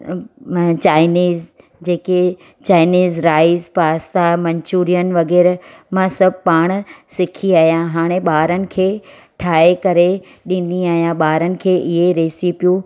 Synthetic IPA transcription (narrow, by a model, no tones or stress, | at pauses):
t͡ɕaːɪniːz | d͡ʑeːke | t͡ɕaːɪniːzɾaːɪzpaːst̪amɐ̃ɲt͡ɕuːɾijənɪ̆ʋɐɣɛːɾ | mãsɐbʱpaːɽ̃sɪkʰiaːɦijãɦaːɽ̃ẽɓaːɾənɪ̆kʰeː | ʈʰaːekɐɾe | ɗĩːn̆d̪iaːɦijãɓaːɾənɪ̆kʰeːʔɪɦeɾeːsipijũ